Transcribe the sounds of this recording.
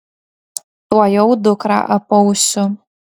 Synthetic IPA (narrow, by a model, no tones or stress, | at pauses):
tʼwajowdʊkʼra̰ʔapʼowsʊ